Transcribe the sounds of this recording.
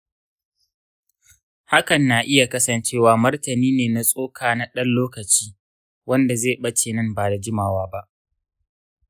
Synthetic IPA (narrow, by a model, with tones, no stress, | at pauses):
ha˦kɐ˨nːaː˨ʔɪ˦ja˨kɐ˦sɐ˨nt͡ʃeː˦waː˦mɐ˦rtɐ˨niː˦neː˨na˨sʼoː˦kʰaː˨na˨ɗɐ˦nloː˦kɐ˨t͡ʃiː˦ | wɐ˦nda˨zeː˦˨ɓɐ˦t͡ʃeː˨nɐ˦mbaː˨da˨d͡ʒɪ˦maː˨waː˦ba˦ʔ